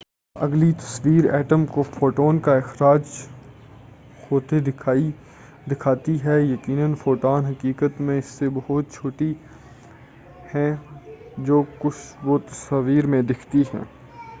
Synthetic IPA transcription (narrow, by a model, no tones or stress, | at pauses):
ɐ̰ɡlit̪ɐ̥sʋiːɾɛ̰ːʈəmkofoːʈoːnkaɪxɾaːd͡ʒ | xoːt̪ed̪ɪkʰaːi | d̪ɪkʰaːt̪iɦɛjɐkiːnənfoːʈoːnɦɐkiːkət̪mẽɪsːebɐɦʊt̪̚t͡ʃʰoːʈi | hɛ̃ | d͡ʒoːkʊt͡ʃʰʋot̪ɐsaːʋiːɾmẽd̪ɪkʰt̪iɦɛ̰̃ː